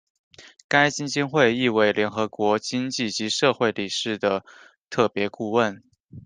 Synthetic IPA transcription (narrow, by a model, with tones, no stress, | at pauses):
ka˥ɪt͡ɕi˥ŋt͡ɕi˥nxwe˥˧ɪi˥˧we˧˥ɪljɛ˧˥nxɤ˧˥kwɔ˧˥t͡ɕi˥ŋt͡ɕi˥˩t͡ɕi˧˥ʂɤ˥˧xwe˥˩ɪli˨˩ʂɻ̩˥˩d̪ə˩ | t̪ʰɤ˥˩pjɛ˧˥ku˥˧wə˥˩n